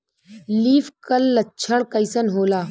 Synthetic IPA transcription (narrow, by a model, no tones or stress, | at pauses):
liːfkəlːɐtːt͡ʃʰəɽkəjsənɦoːlaː